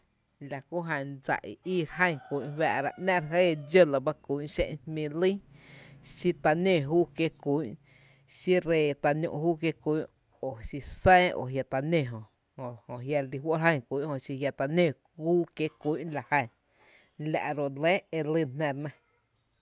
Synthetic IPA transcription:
la˨ku˦ɦə̃˧˨d͡za̰˨ʔḭ˨ʔiː˦˧ɾɦə̃˦˧˨ŋku˨˦ʔwa̰˧˨ɾa̰˧ʔnã˦ɾɦe˦˨d͡ʒo˦la˧ba˦ku˨˦ʔʃḛ̃˦˧˨hmĩ˧lĩ˦ | ʃi˧t̪a˧nẽ˧˨ɦuː˦kje˧ku˨˦ʔ | ʃi˦ɾeː˧˨t̪a˧nṵ̃˧˨ʔhuː˦kje˧kʷu˨˦ | o˨ʃi˧sɛ̃ː˦o̰˨ɦja˧t̪a˧nẽ˧˨ɦõ˨ | ho˨hõ˨ɦja˧li˧ɦwo˦ɾɦə̃˦˧˨ŋku˨˦ʔhõ˧˨ʃi˧hja˧t̪a˧nẽ˦˧˨kuː˦kje˦ku˨˦ʔla˨hə˧˨ | la̰˨ʔɾo˨le˦e˧li˧nnẽ˧ɾnã˧

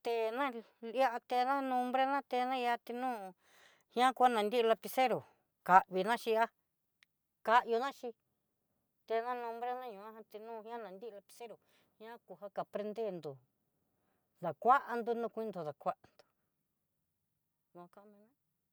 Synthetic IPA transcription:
t̪e˧nã˦ | a˦ʔa˧t̪e˧nã˦nũ˧mbɾe˦nã˦t̪e˧nã˦ja˧t̪i˧nũ˦˧ | hj̃ã˦ku˧a˦nã˨nd̪i˦˧la˧pi˧se˦ɾo˨ | ka˨ʔβi˧nã˦ʃi˧a˦ | ka˧ʔjo˧nã˦ʃi˧ | t̪e˧nã˦nũ˧mbɾe˦nã˦ɲũ˨ã˦ha˧t̪i˧nũ˦˧hĩ˦ã˦nã˨nd̪i˦˧la˧pi̥˧se˦ɾo˨ | hj̃ã˦ku˧ha˦ka˨pɾe˧nd̪e˦˨nd̪o˨ | ða˨kʷa˦ʔa˧nd̪u˧nũ˧kʷĩ˦nd̪o˨ða˨kʷa˦ʔa˨nd̪u̥˨ | nũ˧ka˦ʔmĩ˧nã˦

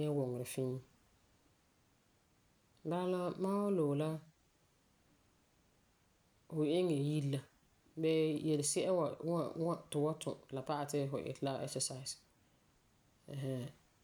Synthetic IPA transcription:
ɲɛ˦wʊ˨ŋɪ˨ɾɪ˨fɪ̃˦ŋ˦ | ba˦la˦mãː˦wa˦lo˨la˦ | fʊ˨˦ɪ˦ŋɛ˨ji˦la˦ | bɛ˦jɛ˨lɪ˨sɛ˦ʔɛ˦wa˨a˦˨wa˦tɪ˨wa˦tʰʊ̰˨la˨pa˦ʔa˨tɪ˦fʊ˨ʔɪ̰˨la˦ɛ̰˦ksɛ˨sa˨s | ɛ̃˨ɦɛ˦

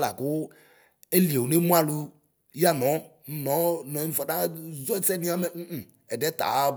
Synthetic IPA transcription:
la̰˨ko˦ | e˦li˨e˨wu˨ne˦mũ˦a˦lu˦ | ja˦nɔ̃˨˦ | nɔ̃˨˦nɔ̃˨˦ĩ˨fɔ˨da˦zɔ˦ɛ˦t͡sɛ˦nĩ˦a˦mɛ˨˦ʔ̩˨ | ɛ˨dɛ˦t̪a̰˨˦

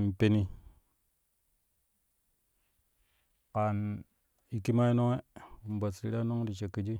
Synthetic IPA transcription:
m˨pe˦ni˦ | ka˨n | i˦ki˦ma˦i˦no˦ŋe˦u˨m˨ba˨sɾi˦ɗa˦no˦ŋ˦di˨t͡ʃe˨ki˨d͡ʒi˦

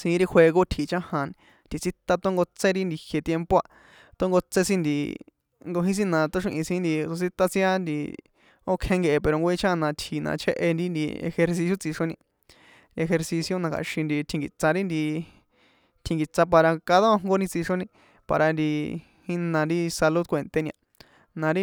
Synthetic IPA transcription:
sĩ˧˦ɾi˦xʷwʷe˧ɣo˦t̪ʰi˨t͡ʃã˦hã˧n | t̪i˨t͡si˦t̪a˧t̪o˦ŋɡo˧t͡sẽ˦ɾi˦nd̪i˧hje˧t̪je˧mpo˦a˧ | t̪o˦ŋɡo˧t͡se˦sĩ˦nd̪ḭ˧ | ŋɡo˧ɦĩ˦s̬ĩ˦nã˧˨t̪o˦ʂ̬ĩ˧ʔĩ˧sĩ˧˦nd̪i˧so˧si˦t̪a˧t͡sĩ˦a˦nd̪ḭ˧ | o˦kʰẽ˧ŋɡe˧ʔe˧pe˧ɾo˧ŋɡo˧ĩ˦˧t͡ʃʰa˦˧nã˧t̪ʰi˨nã̰˧t͡ʃʰḛ˦˧ʔḛ˧nd̪i˦nd̪ḭ˧ḛ˧xe˧ɾs̬i˧sjo˦t͡si˧ʂo˧nĩ˧ | e˧xe˧ɾsi˧sjo˧nã˧kʰa̰˨ʃĩ˧nd̪i˧t̪ʰĩ˧ŋɡi˨t͡sã˧ɾi˦nd̪i˧ | t̪ʰĩ˧˨ŋɡi˨t͡sa˧p̬a˧ɾa˧ka˧ðo˦˧ŋɡo˧nĩ˧t͡si˧ʂo˧nĩ˧ | pa̰˧ɾa˧nd̪i˧ | hĩ˦˧nã˧nd̪i˦sa˧lu˦d̪̚kʷe˨nt̪e˧nĩ˧ã̰˧ | nã˨˧ɾi˦

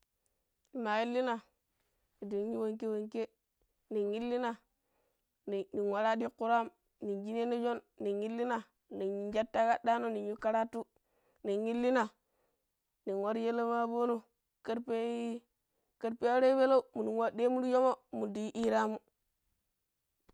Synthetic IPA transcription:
i˨ma˨ji˦lːi˦na˨ | ni˨di˨ɲu˦wo˨ŋke˦we˨ŋke˦ | ni˨ŋi˦lːi˦na˨ | ni˨ni˨wa˨ɾa˦di˦kːu˦ɾa˦m | ni˨d͡ʒi˦ne˦ni˦d͡ʒo˦nːi˨ŋji˦lːi˦na˨ | ni˨i˨d͡ʒa˦tːa˦ɡa˦da˦no˦ni˨u˦ka˦ɾa˦tu˦ | ni˨ɲi˦lːi˦na˨ | ni˨wo˦ɾje˦le˦ma˦bo˦no˦ | ka˦ɾpe˦ | kə˦ɾpe˦a˦ɾe˦be˦lo˦u˦mu˨ni˨wa˦de˦mu˦ɾjo˦mo˦mu˨di˨˦ʔi˦ɾa˦mu˦

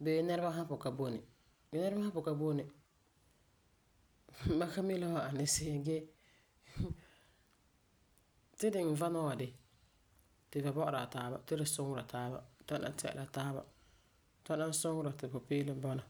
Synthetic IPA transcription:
bɛ˨˦nɛ˦ɾba˦ɦã˦pʊ˨ka˨bo˦nɪ˨ | ɛ˦nɛ˦ɾba˦a˦pʊ˨ka˦bo˦nɪ˨ | ba˦ka˦mi˦la˦wa˨a˨nɪ˦sɪ˦ɡɛ˦ | tɪ˦dɪ˨m̩˨va˦na˦wa˨dɪ˨ | tɪ˨ba˨bɔ˦ʔʊ˨ɾa˨taː˦ba̰˨tɪ˦ɾɪ˨sʊ˦ŋʊ˦ɾa˨taː˦ba̰˦ta˦na̰˦˨˦tɛ˦˨ɛ̰˨la˨taː˦ba̰˨ | ta˦na˦n˦sʊ˦ŋʊ˦ɾa˨tɪ˨pʊ˨pɪː˦lɪ˦bɔ˦na˨

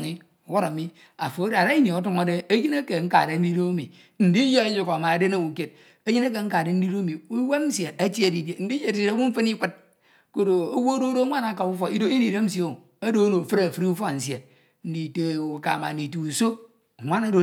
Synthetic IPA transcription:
i˦ | o˨wo˦ɾa˨mi˦ | a̰˨fo˨˦da˨ɾa˦i˦ni˨o˨˦tu˦ma˨de˦e˦ji˦ne˦ke˨ŋ̩˦ka̰˨de˨n̩˦di˦do˦mi˨ | n̩˨di˦je˦ju˨kma˨a˨de˦na˦˨wu˨ke˦t̚ | e˦ji˦na˦k̬e˨ŋ̩˦ka˨de˨n̩˦di˦ɾo˦mi˨u˦we˦n̩˦se˨a˦t͡ʃi˦e˨di˨dje˨n̩˦di˦je˦˨di˨˦e˨ɾa˦wu˦ɱ̩˦fe˦ni˦kʷɨ˦t̚ | ko˦do˨o˦wo˦do˦do˦ŋʷa˦na˨˦ka˨u˦fo˨i˦do˦i˦ni˨de˦m̩˦s̬i˦o˦˨ | a˦do˦no˨fɨ˦ɾa˨fɾi˦u˦fo˦˨n̩˨sje˨ | n̩˦di˨te˨u˨ka̰˨ma̰˨n̩˨i˨tu˨u˨so˦˨ | ŋʷa˦na˦do˨˦

